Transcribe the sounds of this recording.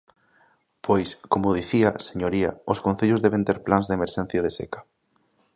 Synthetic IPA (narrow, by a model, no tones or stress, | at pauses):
pʰojskomʊð̞iθiɐse̥ɲoɾiɐ̰oskonθeʎʊzðɛβẽnt̪eɾplanzðemeɾʃɛnθjað̞esḛkḁ